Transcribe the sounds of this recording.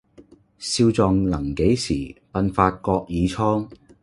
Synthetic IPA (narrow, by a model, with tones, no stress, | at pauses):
siː˧wt͡sɔː˨˧ŋlɐ˨˩ŋke˨˥jsḭː˨˩pɐ˧nfaː˧t̚kɔː˧k̚jiː˨˧t͡sʰɔː˥ŋ